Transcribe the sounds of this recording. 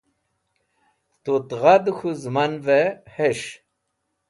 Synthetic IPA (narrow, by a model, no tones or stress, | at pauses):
t̪ut̪ʁad̪xuzmanveheɕ